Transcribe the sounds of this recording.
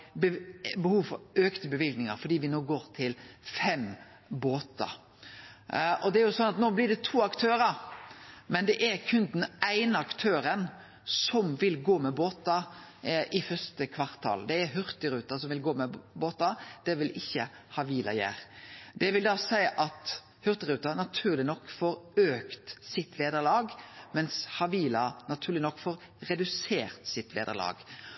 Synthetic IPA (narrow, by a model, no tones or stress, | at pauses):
bəhuːʋfɔɾøːkt̪əbəʋɪlɡnɪŋə̰ɾfɔɖ̪iːʋɪnoːɡoːɾt̪ʰɪlfɛm | boːt̪ɑ̰ | ʔɔd̪ɛæɾjʊsɔnɑt̪noːblɪɖɛt̪ʰuːɑkt̪ʰøːɾəɾ | mɛnd̪ɛʔæɾkʰʉnd̪n̩æɪnəɑkt̪ʰøːɾən | sɔmʋɪlɡoːmɛboːt̪ɑ | ʔɪfœst̪əkʰʋɑʁt̪ʰːɑ̰ld̪ɛːɾɦʉɾt̪ɪɾʉːt̪ɑsɔmʋɪlɡoːmɛboːt̪ɑd̪̥ɛʋɪlʔɪçːə | hɑʋiːlɑ̰jæ̰ːɾd̪̥ɛʋɪld̪ɑːsæɪʔɑt̪ | hʉɾt̪ɪɾʉːt̪ɑnɑt̪ʰʉːʁlɪnɔkːfɔɾøːkt̪sɪt̪ʋeːd̪əɾlɑːɡmɛnshɑʋiːlɑnɑt̪ʰʉːɾlɪnɔkːfɔɾ | ɾɛd̪ʉseːɾt̪sɪt̪ʋḛːd̪ə̰lɑ̰ːɡ